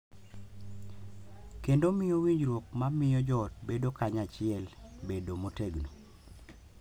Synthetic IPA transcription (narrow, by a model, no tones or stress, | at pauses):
kendomɪjowiɲd͡ʒɾwok̚mamɪjɔd͡ʒɔtbedokaɲat͡ʃɪɛlbedomoteɡno